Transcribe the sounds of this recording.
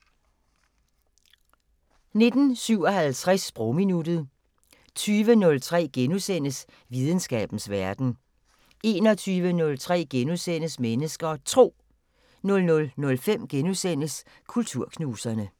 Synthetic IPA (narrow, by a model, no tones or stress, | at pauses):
ne̝d̥n̩syʊ̰ɒ̽hælt͡sʰʁasb̥ʁɔʊminud̥ð̩ˠ | t͡sʰyːʋənɔ̽lt͡sʰʁɛ̰ːɡ̥enusen̰əs | ʋið̞ˠn̩sɡ̥ɛ̰ːb̥n̩sʋæɐd̥n̩ | e̝ːnɒ̽t͡sʰyːʋənɔ̽lt͡sʰʁɛ̰ːɡ̥enusen̰əsmenəsɡ̥ɐt͡sʰʁo̝̰ː | nɔ̽lnɔ̽lnɔ̽lfem̰ɡ̥enusen̰əs | kʰult͡sʰuɐ̰kʰnuːsɐnə